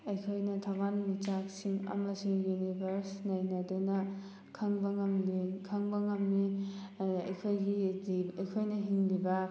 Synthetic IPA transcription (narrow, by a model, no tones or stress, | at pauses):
ɐjkʰojnɐtʰabanmit͡ʃak̚siŋɐ̰mɐsiŋjunibʱɐɾsnɐjnɐdunɐ | kʰɐŋbɐŋɐmlikʰɐŋbɐŋɐmni | ɐjkʰojɡiiɐjkʰojnɐɦiŋlibɐ